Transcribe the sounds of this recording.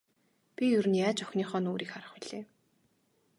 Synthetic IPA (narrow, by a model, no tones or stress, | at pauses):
pʲijɵɾɘ̆njaːt͡ɕʊxʲniːχɔːnoːɾiːkχaɾə̆χpʊɮ̥eː